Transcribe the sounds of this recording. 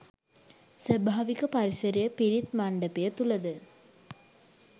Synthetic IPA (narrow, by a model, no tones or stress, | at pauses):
sʋɐbʱaːʋikɐpɐɾiʃɐɾijəpiɾit̪mɐɳɖɐpejət̪ulɐd̪ɨ